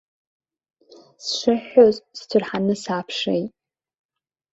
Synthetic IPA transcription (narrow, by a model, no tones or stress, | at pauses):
sʂʷɨħozstʰɨrħanɨsaːpʰʂḛjtʼ